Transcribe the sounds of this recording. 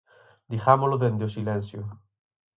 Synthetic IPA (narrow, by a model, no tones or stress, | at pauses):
d̪ixamoloðend̪josilẽnsjo